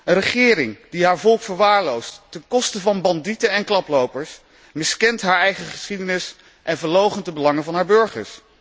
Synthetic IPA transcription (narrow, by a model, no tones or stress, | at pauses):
ənrəχɪːɾɪŋd̥iɦaːɹvɔlˠkfəɹʋaːɹlowstːɛnkɔstəvɑnbɑnditənɛnklɑplowpəɹs | mɪskɛntɦaːɹɛjχəχə̥sχidənɪs | ʔɛnvəɹlowχəntəbəlɑŋənvɑnɦaːɹbɵɹχə̰ɹs